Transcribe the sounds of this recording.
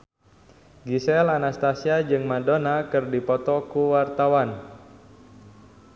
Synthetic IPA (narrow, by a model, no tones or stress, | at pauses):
ɡisɛlanast̪asiad͡ʒɨŋmadonakɨrdipɔt̪ɔkuwart̪awan